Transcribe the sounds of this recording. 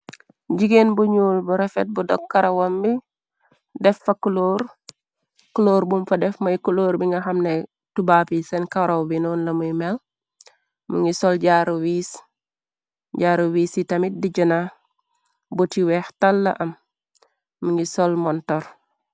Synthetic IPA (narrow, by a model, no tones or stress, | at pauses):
ɟiɡenbuɲuːlbuɾefet̚budɔkːaɾɐwɐmbi | dɛfːɐkuloːɾ | kuloːɾbumfɐdɛfmɐjkuloːɾbiŋɡaɦɐmne | tubaːpisɛnkawɾawbinuːnlɐmujmel | mṵŋisɔlɟaːɾuwiːs | ɟaːɾuwiːsitɐmit̚diɟəna | butiwɛːxtalːɐ̰ʔɐmː | uŋisolmɔntɔɾ